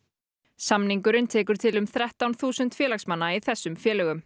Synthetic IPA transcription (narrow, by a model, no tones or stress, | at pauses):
samniŋkʏɾʏnt̪ʰɛːkʏɾ̥t̪ʰɪlʏmθɾɛht̪awnθuːsʏnt̪fjɛːlaxksmanːaiθɛsːʏmfjɛːlɛɣʏm